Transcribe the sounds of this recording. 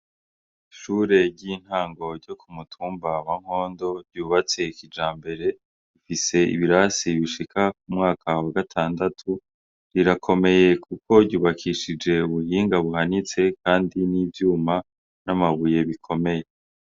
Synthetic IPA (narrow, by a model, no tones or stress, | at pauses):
ʃuːɾe̞ɾɟiːn̥haːŋɡo̞ɾɟo̞kʰumutʰuːmbawaŋ̥ho̞ːndo̞ɾɟuːβat͡sekid͡ʒaːmbe̞ɾe̞ | ifise̞ḭβiɾasiβiʃikʰak̚umŋaːkʰawaɡatʰaːndatʰu | ɾiɾakʰo̞me̞je̞kʰuko̞ɾɟuːβakʰiʃid͡ʒe̞uβuhiːŋɡaβuhanit͡se̞kaːndiniːvjuːma | namaβuje̞βikʰo̞me̞je̞